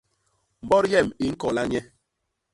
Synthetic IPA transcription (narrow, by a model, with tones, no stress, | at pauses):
m̩˨bɔ˦ɾjɛ˦˨mi˦ŋ̩˦kɔ˨la˦ɲɛ˦